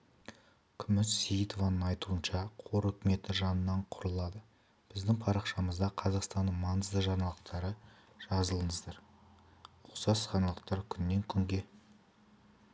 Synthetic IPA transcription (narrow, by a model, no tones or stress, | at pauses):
kʲʰʏmɪt̪sejət̪o̞vɑnəɴɑjt̪uənʃɑqʰoɾɵkʲɪme̞t̪ɪʒɑnənːɑɴqʰʊɾəlˠɑd̪ə | b̥ɪzd̪ɪŋpʰɑɾɑqʃɑməzd̪ɑqʰɑzɑqst̪ɑnːəɴmɑnəzd̪əʒɑnɑlˠəqt̪ɑɾə | ʒ̥ɑzəlˠəɴəzd̪ɑɾ | ʊqsɑsχɑnɑlˠəqt̪ɑɾkʲʰʏnːe̞ŋkʲʰʏŋɡʲe̞